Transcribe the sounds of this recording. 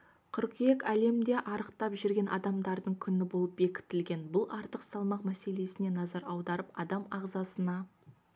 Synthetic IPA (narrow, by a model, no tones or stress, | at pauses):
qʰʏɾqijekʲæle̞md̪e̞ʔɑɾəqt̪ɑpʒʏɾɡʲe̞nʔɑ̰d̪ɑmd̪ɑɾd̪əɴkʲʰʏnɪbo̞lˠəp̚be̞kʲɪ̥t̪ːɪlɡʲe̞nbʊlˠɑɾt̪əqsɑlˠmɑqmæse̞le̞sɪne̞nɑzɑɾɑwd̪ɑɾəpɑd̪ɑmɑʁzɑsənɑ